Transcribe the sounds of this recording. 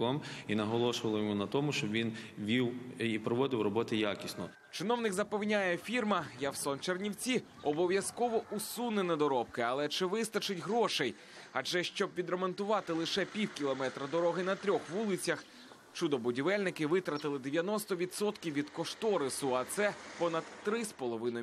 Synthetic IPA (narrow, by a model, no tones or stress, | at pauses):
ɔminɐɦɔlˠɔʃʊʋɐlˠɔjɔmunɐt̪ɔmʊʃt͡ʃɔbʋʲinʋʲiwipɾɔʋɔd̪ɪwrɔbɔt̪ɪjakʲisnɔ | t͡ʃɪnɔwnɪkzɐpɛwnʲajɛfʲirmɐjawsɔnt͡ʃernʲiwt͡sʲi | ɔbɔʋʲjɐskɔʋɔʔusunenɛd̪ɔɾɔp̚kɪɐlˠɛt͡ʃɪʋɪst̪ɐt͡ʃɪtʲɦɾɔʃej | ɐd͡ʒɛʃt͡ʃɔb̚ʋʲid̪ɾemɔnt̪ʊʋɑt̪ɪlˠɪʃɛpʲiwkʲilˠɔmɛt̪ɾɐd̪ɔɾɔɦɪnɐt̪ɾʲɔxʋulˠɪt͡sʲjɐx | t͡ʃud̪ɔbʊdʲiʋɛlʲnɪkɪʋɪt̪ɾɐt̪ɪlˠɪd̪eʋʲjɐnɔst̪ɔʋʲid̪sɔt̪kʲiwʋːʲid̪kɔʃt̪ɔɾɪsʊɐt̪sɛpɔnɐd̪ːɾɪspɔlˠɔʋɪnɔ